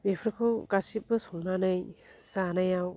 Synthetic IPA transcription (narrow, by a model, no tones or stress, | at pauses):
bepʰɾɯkʰɯɡasip̚bɯsɔŋnanɯjsanajaw